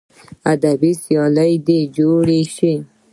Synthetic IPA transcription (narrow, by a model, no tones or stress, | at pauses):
ad̪abisjɑləjd̪ed͡ʒoɽeʃi